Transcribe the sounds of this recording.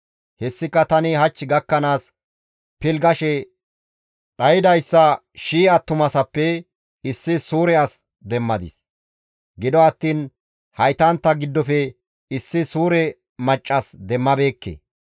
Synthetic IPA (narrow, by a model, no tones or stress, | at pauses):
hɛsːɪkːɐt̪ɐnɪhɐt͡ʃːɪɡɐkːɐnaːs | pɪlɡɐʃɛ | ᶑɐjɪd̪ɐjsːɐ | ʃiːɐt̪ːʊmɐsɐpːɛ | ɪsːɪsuːɾɛɐs | d̪ɛmːɐd̪ɪ̰s | ɡɪd̪ɔɐt̪ːiːn | hɐjt̪ɐnt̪ːɐɡɪd̪ːɔfɛ | ɪsːɪsuːɾɛ | mɐt͡ʃʼːɐsd̪ɛmːɐbe̞ːkːḛː